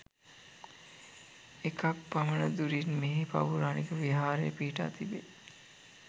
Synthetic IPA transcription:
ekɐk̚pɐmənəd̪uɾinmeɦepɐ̰ʋuɾaːnikəʋiɦaːɾḛːpiɦiʈa̰ːt̪ibe

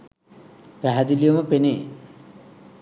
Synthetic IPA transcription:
pæɦad̪ilijomɐpene

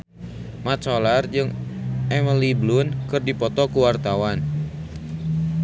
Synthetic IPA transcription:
mat͡ʃɔlard͡ʒɨŋʔɛməliblʊnkɨrdipɔt̪ɔkuwart̪awan

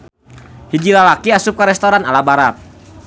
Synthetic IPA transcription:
hid͡ʒilalakiasup̚kaɾɛst̪oɾana̰labaɾat̪̚

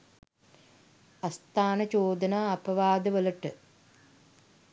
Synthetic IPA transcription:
ɐst̪aːnət͡ʃoːd̪ənaːɐpɐʋaːd̪əʋəlɐʈə

